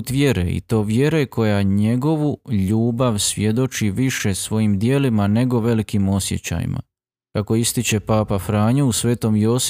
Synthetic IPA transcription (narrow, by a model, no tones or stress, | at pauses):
t̪ʋje̞ɾḛḭt̪o̞ːʋje̞ɾe̞kʰo̞jaɲe̞ɡo̞ʋuʎuːbaʋsʋʲje̞d̪o̞t͡ʃiʋiʃe̞sʋo̞jimd̪je̞ːlimane̞ɡo̞ʋe̞likimo̞sje̞̰t͡ɕa̰jḭmʔa̰ | kako̞ist̪it͡ɕe̞paːpafɾaːɲuusʋe̞ːt̪o̞mjoːs